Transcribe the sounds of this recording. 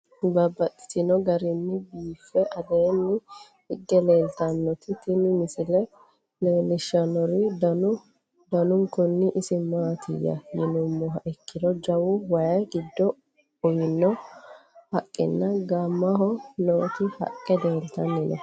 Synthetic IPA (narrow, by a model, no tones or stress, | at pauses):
bɐbːɐt̪ʼːɪ̥t̪ɪnɔɡɐɾɪnːɪbiːfːɛʔɐd̪eːnːɪ | hɪɡːɛle̞ːlt̪ɐnːɔt̪ɪt̪ɪnɪmɪsɪlɛ | leːlɪʃɐnɔɾɪd̪ɐʊ | d̪ɐnʊŋkʊnːɪʔɪsɪmaːt̪ʰɪ̰jːɐ̰jɪnʊmːɔɦɐʔɛkːɪd̪ɔd͡ʒɐwʊwɐjɐɡɪd̪ːɔ | ʊjɪnːɔ | hɐkʼːɪ̰nːɐɡɐmːɐɦɔnoːt̪ɪhɐ̰kʼːɛd̪eːlt̪ɐnːɪnɔ̰